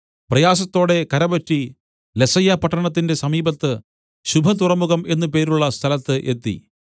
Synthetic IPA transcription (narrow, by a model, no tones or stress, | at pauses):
prɐjaːs̬ɐt̪ːo̞ːɽe̞kɐɾɐbɐtːi | le̞sɐjɐpɐʈːɐɳɐt̪̬ːinde̞sɐmiːbɐt̪ːɨ | ɕubʱɐt̪urɐmuɣɐme̞nːupe̞ːɾuɭːɐst̪ʰɐlɐt̪ːɨʔe̞t̪ːḭ